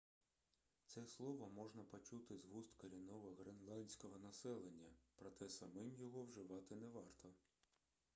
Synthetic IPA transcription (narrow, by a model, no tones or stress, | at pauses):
t̪sɛslˠɔʋɔmɔʒnɐpɔt͡ʃut̪ɪzɦust̪kɐɾʲinɔʋɐɦɾenlˠɑnʲsʲkɔɦɔnɐsɛlˠenʲːɐpɾɔt̪ɛsɐmɪmjɔɦɔwʒɪʋɑt̪ɪnɛʋɑrt̪ʰɔ